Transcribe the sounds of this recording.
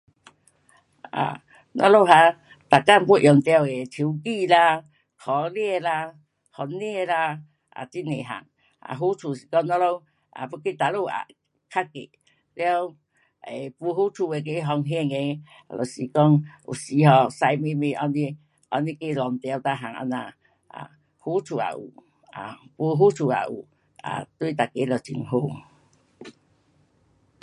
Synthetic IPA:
a̰˨˩ | nɔ̰˧˥lo˧˨ɦa˧ | t̪a˨ka˧˨mku˧˦˨ʔjɔ˨˩ŋt̪ja˧we˨t̪ʰi˨˦wki˧la˧ | kʰɔ˨˦ljɛ˧la˧ | hɔ˨˧ne˧˨˧la˧ | ʔa̰˨t͡ɕi˦nḛ˨ɦa̰˨˩ŋ | a̰˧˩ɦu˦t͡sʰu˧ɕi̥˨kɔ˦˧ŋnɔ˦lo˧w | ʔa̰˨pu˧˦ke˧˦t̪a˨˧lo˧˨a̰˨˩ | kʰa˦˥kḛ˨ | lja˧w | e˨pu˧ɦu˦t͡ʃʰu˧˩we˨k̬e˧˦ɦɔ˧ŋɦɛ˧˨ŋe˧ | lɔ̰˨si˨kɔ˦ŋṵ˨si˧˦ɦɔ˧sa˧jme˧me˧˨ʔɔ˧ni˦ | ʔɔ̰˧ni˧˦ke˧lɔ˨n˨t̪ɛ˧a˧wt̪a˧ɦa˨˩ŋa̰˧nã˧˨ | ʔa̰˨ | hu˧˦t͡sʰu˨˩a̰˨ʔṵ˨ | a̰˨pu˧ɦu˦t͡sʰu˨˩a̰˨ʔṵ˨˩ | a̰˨t̪wu˧˨t̪̬a˨ke˨˦lɔ˨˩t͡ɕḭ˨ŋɦo˧˨

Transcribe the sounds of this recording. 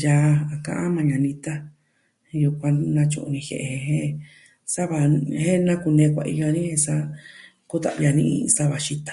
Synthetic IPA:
ja˧a˨kã̰˧ʔã̰˦mã˧ɲã˨nĩ˧t̪a˦˧ | ju˧kʷã˧nã˧t͡ʃṵ̃˧ʔnĩ˧hḛ˨ʔe˧ẽ˧ɦẽ˦ | sa˦βa˧˨hẽ˦nã˦ku˧nẽː˧kʷa̰˧ḭ˧ja˧nĩ˦hẽ˧sa˦ | ku˦t̪a̰˨ʔβja˧nĩ˧ʔsa˦βa˨ʃi˧t̪ḁ˨˧

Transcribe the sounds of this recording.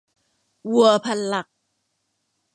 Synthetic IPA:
wu˨˩əpʰa˧˩n̚la˨˩k̚

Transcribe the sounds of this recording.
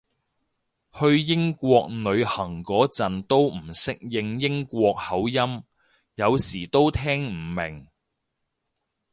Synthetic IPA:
hɵ˧ɥjɪ˥ŋkʷɔː˧k̚nɵ˨˧ɥhɐ˨˩ŋkɔː˨˥t͡sɐ˨nt̪o˥wm̩˨˩sɪ˥k̚jɪ˧ŋjɪ˥ŋkʷɔː˧k̚hɐ˨˥wjɐ˥m | jɐ˨˧wsiː˨˩t̪o˥wt̪ʰɛː˥ŋm̩˨˩mɪ˨˩ŋ

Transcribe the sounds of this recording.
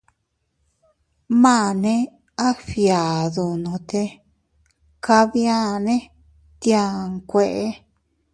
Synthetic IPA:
mã˦˨nẽ˦ | a˦fja˨ðu˨nõ˨t̪e˧ | ka˧βjã˦˨nẽ˦ | t̪jã˧˨ŋkʷe˧ʔe˦

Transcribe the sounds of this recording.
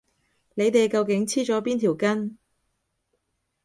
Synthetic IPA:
ne˨˧jt̪e˨jkɐ˧wkɪ˨˥ŋt͡sʰiː˥t͡ʃɔː˨˥piː˥nt̪ʰiː˨˩wkɐ˥n

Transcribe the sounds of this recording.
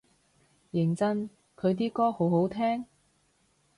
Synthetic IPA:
jɪ˨˩ŋt͡sɐ˥n | kʰɵ˨˧ɥt̪̬iː˥kɔː˥ho˨˥who˨˥wt̪ʰɛː˥ŋ

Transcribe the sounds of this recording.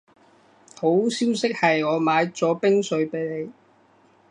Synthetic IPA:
ho˨˥wsiː˥wsɪ˥k̚hɐ˨jɔː˨˧maː˨˧jt͡sɔː˨˥pɪ˥ŋsɵ˨˧ɥpe˨˧jne˨˧j

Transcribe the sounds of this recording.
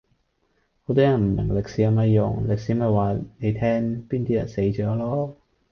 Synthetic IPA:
ho˨˧˥t̪ɔː˥jɐ˨˩nm̩˨˩mɪ˨˩ŋlɪ˨k̚siː˨˥ɐ˨˧mɐ˨˧jjʊ̰˨˩ŋlɪ˨k̚siː˨˥mɐ˧waː˨˩ne˨˧jt̪ʰɛː˥ŋpiː˥nt̪ʰiː˥jɐ̰˨˩nse˨˥jt͡ʃɔː˨˥lɔː˥

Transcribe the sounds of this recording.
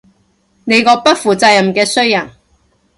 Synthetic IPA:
ne˨˧jkɔː˧pɐ˥t̚fuː˨t͡sɐ˧jɐ˨˩mkɛː˧sɵ˥ɥjɐ˨˩n

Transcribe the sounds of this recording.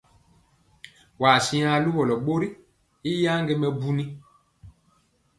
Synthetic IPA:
wa˨si˦a˦lu˦bɔ˨lɔ˨ɓo˦ɾi˦ | i˦ja˦ŋɡe˦mɛ˦bu˦ni˦

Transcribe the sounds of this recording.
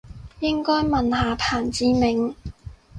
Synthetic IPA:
jɪ˥ŋkɔː˥jmɐ˨nhaː˨pʰaː˨˩nt͡siː˨˧mɪ˨ŋ

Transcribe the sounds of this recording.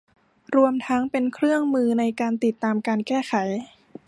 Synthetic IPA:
ɾu˧əmt̪ʰa˦˥ŋpe˧nkʰɾɯ˥˩əŋmɯː˧na˧jkaː˧nt̪i˨˩t̪ːaː˧mkaː˧nkɛː˥˩xʰa˩˦j

